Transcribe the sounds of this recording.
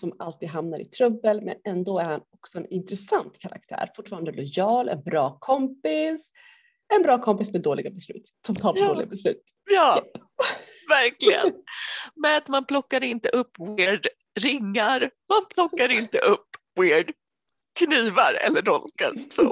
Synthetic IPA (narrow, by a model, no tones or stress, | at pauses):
sɔmalt̪iːd̪ɦamnaɾʔɪ̰t̪ʰɾɵbːəlmɛ̰nɛnd̪oːæɾhanɔksɔɛnɪnt̪ɾɛsant̪kʰaɾa̰k̚t̪ʰæ̰ːɾfʊʈːfɑːɾand̪əlɔjɑːlɛ̰nbɾɑːkʰɔmpɪs | ɛnbɾɑːkʰɔmpɪsmɛd̪oːlɪɡabɛslʉ̟ːt̪sɔmt̪ʰɑːpd̪oːlɪɡabɛslʉ̟̰ːt̪ | jɑː | væɾklɪɡə̰nmɛat̪manpʰlɔkːaɾɪnt̪əʔɵpːvɪːɖ | ɾɪŋːaɾmanpʰlɔkːaɾɪnt̪əʔɵpː | weːɖ | kʰniːvaɾɛ̰lːəɖɔlka̰sɔ